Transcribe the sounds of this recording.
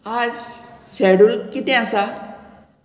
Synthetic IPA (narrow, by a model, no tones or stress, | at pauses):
ad͡zsɛɽulkit̪ɛ̃asa